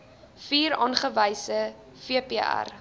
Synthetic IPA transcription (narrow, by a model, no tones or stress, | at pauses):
fiːɾɑːnχəvəjsə | fiəpeæ̰r